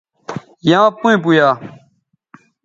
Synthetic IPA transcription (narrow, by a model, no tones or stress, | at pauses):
jãːpuẽp̬ujaː